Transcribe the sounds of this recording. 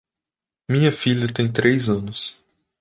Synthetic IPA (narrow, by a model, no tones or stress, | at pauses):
mĩɲɐfiʎʲɐt̪ẽj̃t̪ɾejzɐ̃nʊs